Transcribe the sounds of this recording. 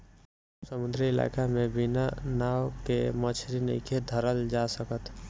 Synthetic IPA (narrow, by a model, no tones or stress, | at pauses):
səmʊnd̪ɾiɪla̰ːkamẽbɪnanaːwkemət͡ʃʰɾinḭked̪ʱəɾəld͡ʒaːsəkət̪